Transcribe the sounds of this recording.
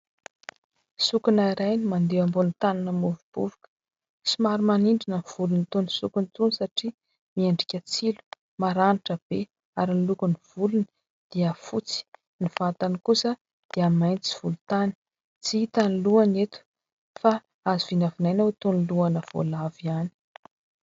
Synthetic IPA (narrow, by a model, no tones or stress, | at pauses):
sukunaiɾajnimand̪eambonit̪ananəmuvub̥ṵvukə̥ | simaɾimaniɳɖ͡ʐinəv̥ulunit̪onisukunt̪unsaʈ͡ʂi | miaɳɖ͡ʐikʲat͡silu̥ | maɾaniʈ͡ʂəb̥e | aɾinilukuniv̥ulunə | d̪̥iəfut͡si̥ | niv̥at̪anikusə | d̪̥iəmajnt͡si̥v̥ulut̪ani̥ | t͡siit̪aniluanet̪u̥ | fa | aziv̥inavinajnat̪oniluanəv̥o̰laviani̥